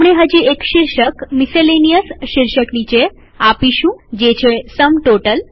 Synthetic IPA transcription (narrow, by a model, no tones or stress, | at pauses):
ɽ̃eɦəd͡ʑiekʃiɾʃəkmiselenijəsʃiɾʃəknit͡ɕe | apiʃũd͡ʑet͡ɕʰesəmʈoʈəl